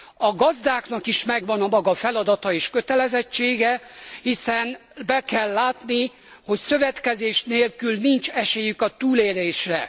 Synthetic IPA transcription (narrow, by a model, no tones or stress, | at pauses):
ɒɡɒzd̪aːkn̪ɒkiʃmɛɡʋɒnɒmɒɡɒfɛlɒd̪ɒt̪ɒeːʃkøt̪ɛlɛzɛt͡ʃːeːɡɛhisɛnbɛkɛlːaːt̪ni | ho̞csø̞vɛt̪kɛzeːʃneːlkylnint͡ʃɛʃeːjykɒt̪uːleːɾeːʃrɛ